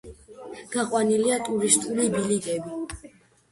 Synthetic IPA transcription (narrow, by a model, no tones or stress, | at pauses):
ɡ̥aqʼwaniliat̪ʼuɾist̪ʼulibiliɡɛbi